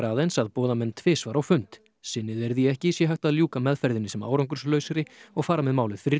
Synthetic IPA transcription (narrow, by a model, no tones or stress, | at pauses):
aːðensaðpɔːðamɛnːt̪ʰvɛːsvaːɾawfʏnt̪ | sɪnːɪðɛɾðiɛhcɪsjɛɦajht̪aðljuːkamɛðfɛɾðɪnːɪsɛma̰wɾawŋkʏ̥slœːɥsaɾɪɔɣfaːɾamɛðmaːwlɪfɪɾɪ